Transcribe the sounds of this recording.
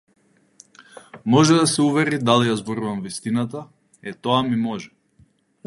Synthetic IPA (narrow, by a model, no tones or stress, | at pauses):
mɔʒɛd̪asɛuvɛɾid̪alijazbɔɾuvamvist̪inat̪a | ɛt̪ɔamimɔʒɛ